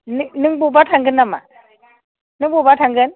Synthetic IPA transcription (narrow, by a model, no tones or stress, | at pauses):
nniŋbubatʰaŋɡənːama̰ | nɨŋbubatʰaŋɡən